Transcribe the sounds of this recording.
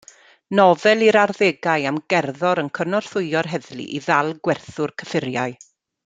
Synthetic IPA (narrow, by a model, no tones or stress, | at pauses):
nɔvɛlˠiɾarðeɡaɨamɡɛrðɔɾənkʰənɔr̥θʊɨɔɾɦɛðlˠḭʔiðalˠɡwɛrθʊrkʰəfɪɾjaɨ